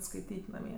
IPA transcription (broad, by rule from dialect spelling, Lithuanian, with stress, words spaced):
skɐɪˈtʲiːtʲ nɐˈmʲiɛ